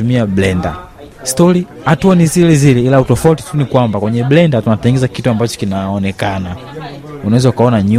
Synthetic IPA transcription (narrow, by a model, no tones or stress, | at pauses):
umiablɛnda̰ | stɔɾi | hatuanizilɛzilɛilautɔfauti̥tunikwambakwɛɲɛblɛndatunatɛŋɡɛzakituambat͡ʃɔ̥kinaɔnɛkana | unawɛzaukaɔnaɲu